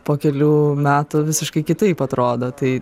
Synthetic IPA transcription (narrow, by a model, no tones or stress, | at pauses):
poːkʲɛlʲuːmʲæːt̪ʊʋʲɪsʲɪʃkɐɪkʲɪt̪ɐɪpɐt̪ɾoːd̪oːt̪ɐɪ